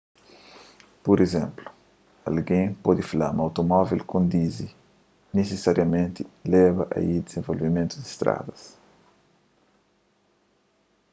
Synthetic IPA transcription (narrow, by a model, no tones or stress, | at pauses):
poɾezɛ̃mplu̥ | ɐ̰lɡẽpɔd̪ifila̰mawt̪omɔvilkõnd̪izi | nesesaɾjɐmẽnt̪ilɛbɐʔɐ̰id̪ez̥ẽvolvimẽnt̪ud̪ist̪ɾa̰d̪ɐs